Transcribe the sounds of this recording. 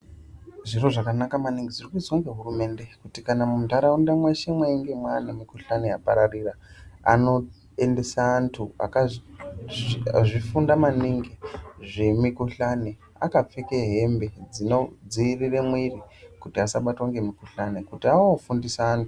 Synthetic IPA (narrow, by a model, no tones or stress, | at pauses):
ʐiro̞ʐakanakamaniŋɡed͡zirikuzoŋɡeɦurume̞nde̞kutikanamumutaɾaundamweʃemweiŋɡemwanamikuɬaneapaɾariraa̰no̞ | e̞nde̞saːntʰua̰ka | ʐifundamaniŋɡeʐemikuɬane | a̰kap͡fekeɦe̞mbe̞d͡zino̞d͡ziiriremwirikutiasaɓatwaŋɡe̞mikuɬanekutiaofundisaːntu̥